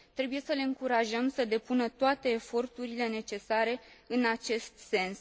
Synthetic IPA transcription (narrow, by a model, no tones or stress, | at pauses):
t̪ɾe̞buje̞səle̞ɨŋkuɾaʒəmsəd̪e̞punət̪oat̪e̞ːfo̞rt̪uɾile̞ne̞t͡ʃe̞saɾe̞ɨnat͡ʃe̞st̪̚se̞ns